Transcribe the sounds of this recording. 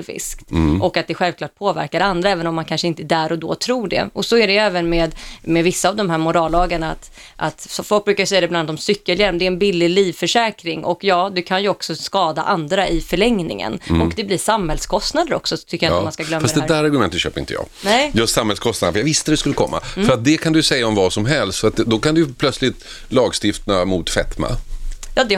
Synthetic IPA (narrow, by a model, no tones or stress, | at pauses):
vɪ̰skt̪ɔkːat̪̚d̪ɛɧɛlvklɑːʈ̚pʰoːvæ̰ɾkaɾand̪ɾaɛːvənɔmːankʰanʂəɪnt̪əɛd̪æɾɔd̪ɔ̰ːt̪ʰɾuːɖɛ̰ɔsɔæɖɛɛːvənmeːd̪mɛvɪsːaːvd̪ɔmɦæːɾmʊɾɑːlːɑːɡaɳaat̪ | ʔa̰t̪fɔlk̚bɾʉkaɾsɛjːad̪ɛbland̪ɔmsʏkːəljaɾd̪ɛɛnbɪlːɪliːvfœʂɛːkɾɪŋʔɔkjɑːd̪ɛkʰanjɵɔksɔskɑːd̪a̰ʔand̪ɾaʔɪfœɭɛŋnɪ̰ŋə̰nɔkd̪ɛblɪsamhɛlskʰɔst̪nad̪əɾɔ̰ksɔt̪ʰʏkːəjamaskaɡɡlœmfːfasd̪ɛd̪ɛːd̪æːɾaɾɡɵmɛnt̪ət̪ɕø̰ːpəɾɪ̰nt̪əjɑ̰ːɡnɛjɵt̪samhɛlskʰɔst̪d̪ənafəjaɡvɪst̪əd̪ɛskɵlːəkʰɔmːa̰fœɾat̪̚d̪ɛkʰand̪ʏjsɛjːaɔmvɑsɔmɦɛlst̪fœɾat̪̚ɛd̪ɔkand̪ɵjɵpʰlœt̪slɪt̪ | lɑːɡst̪ɪft̪amʊːt̪fɛt̪ma̰jɑːd̪ɛ